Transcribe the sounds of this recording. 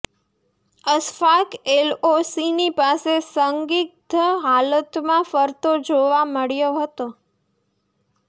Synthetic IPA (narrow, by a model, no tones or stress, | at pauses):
əsfakelosinipasesəŋɡit̪əɦalət̪mãfəɾt̪od͡ʒoʋaməɭjoɦət̪o